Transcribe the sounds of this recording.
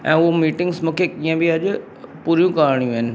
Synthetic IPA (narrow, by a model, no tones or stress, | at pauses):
ɛ̃ːʊɦomiːʈɪ̃ŋɡsmũːkʰekiːə̃bʱiɐʄ | puːɾijũkaːɾɽ̃ijũɪnɪ̆